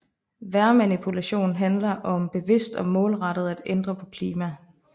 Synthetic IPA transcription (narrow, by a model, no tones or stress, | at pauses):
ʋæɐmænipʰulæɕo̝̰ːn̩ɦænlɐʔɒ̽mb̥e̝ʋe̝sd̥ɒ̽mɔ̽ːlʁɑ̈ɾ̥ð̞̩ˠæd̥end̥ʁɐpʰɒ̽kʰliːmæ